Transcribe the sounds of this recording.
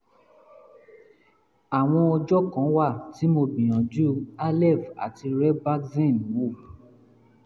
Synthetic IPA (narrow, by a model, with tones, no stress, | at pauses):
a˨w̃ɔ̃˧ɔ˧d͡ʒɔ˦kã˨˦wa˦˨ti˨˦mo˧bĩ˨j̃ɔ̃˨d͡ʒu˦a˦lɛ˦˨va̰˨ti˧ɾɛ˦ba˦kzẽ˦˨n˨wo˦˨